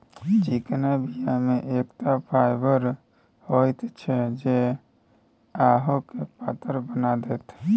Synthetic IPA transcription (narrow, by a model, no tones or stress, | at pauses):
t͡ʃiknabijameʔekt̪apʰaɪbəɾ | hojt̪t͡ʃʰɛd͡ʒe | aɦokepat̪əɾbənad̪ɛːt̪ʰ